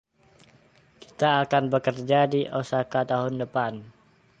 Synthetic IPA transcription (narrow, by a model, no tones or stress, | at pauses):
ki̥t̪aːkanbəkərd͡ʒadiʔosakat̪aɦʊndəpan